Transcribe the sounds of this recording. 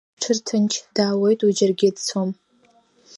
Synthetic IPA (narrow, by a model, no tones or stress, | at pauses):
ʈ͡ʂʷʰɨrtʰɨnt͡ʃʰd̥aːwejtʼud͡ʒɪrɡʲɪdt͡sʰom